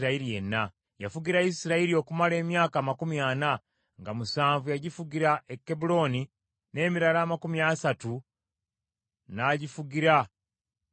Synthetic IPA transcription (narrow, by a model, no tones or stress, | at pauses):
ɾaiɾije̞nːa | jafuɡiɾaisiɾaiɾio̞ːkumale̞ːmjaːkaːmakumjana | ŋɡamusaːɱvujaɟifuɡiɾaʔekːebulo̞ːni | ne̞ːmiɾalaːmakumjaːsatu | naːɟifuɡiɾa